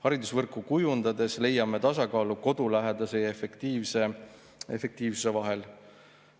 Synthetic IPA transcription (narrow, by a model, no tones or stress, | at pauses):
hɑɾid̪usvɤrkːˑukujund̪̥ɑd̪e̞sle̞jɑme̞t̪ɑsɑkɑːluko̞d̪̥ulæɦe̞d̪ɑseefekt̪iːvse | e̞fe̞k̚t̪iːvsuse̞vɑɦe̞l